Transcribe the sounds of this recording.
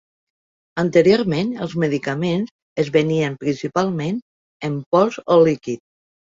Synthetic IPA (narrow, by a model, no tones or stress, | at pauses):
ənt̪əɾioɾmẽnəlˠzməðikəmenz | əzβəniəmpɾinsipalˠmẽn | əmpɔzolikit̪̚